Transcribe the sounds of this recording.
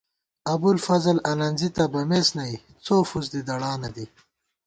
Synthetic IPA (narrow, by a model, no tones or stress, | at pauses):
ɐbulfɐzəlɐnɐnzit̪abɐmeːsnaj | t͡soːfuzd̪id̪ɐɽaːnad̪i